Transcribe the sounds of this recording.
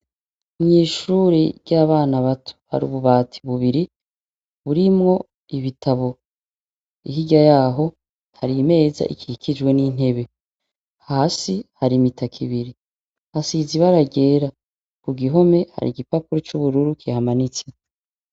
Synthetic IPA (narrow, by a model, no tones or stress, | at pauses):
mɲiːʃuɾiɾɟaːβaːnaβatʰu̥ha̰ɾṵβuβaːtʰi̥βuβiɾi | βuɾimŋo̞ | iβitʰaβo̞ | iɦiɟajaːɦo̞ | haɾime̞ːza̰ʔḭkʰihikʰid͡ʒwe̞nin̥e̞βe̞ | haːsihaɾimitʰakʰiβiɾi | hasiziβaɾaɡe̞ːɾa | kuɡiɦo̞me̞ha̰ɾḭɡipapuɾot͡ʃuβuɾuɾukihamanit͡se̥